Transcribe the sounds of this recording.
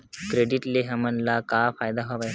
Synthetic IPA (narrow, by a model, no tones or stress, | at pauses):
kɾeɖiʈleɦəmənlakafʰaːjd̪aɦoʋaj